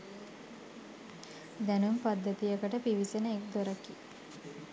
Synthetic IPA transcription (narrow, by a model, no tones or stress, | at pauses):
d̪ɛnumpad̪ːət̪ijəkəʈəpiʋisenəek̚d̪oɾəki